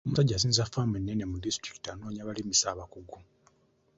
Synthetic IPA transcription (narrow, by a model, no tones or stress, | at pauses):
omusaɟːaːs̬iːnzafːamenːenemudistɾiki̥tiano̞ːɲaβalimisaːβakuɡu